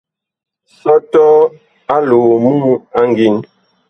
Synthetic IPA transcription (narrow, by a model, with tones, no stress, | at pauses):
sɔ˦tɔ˦ | a˦loː˨mu˦a˦ŋ˨ɡi˨n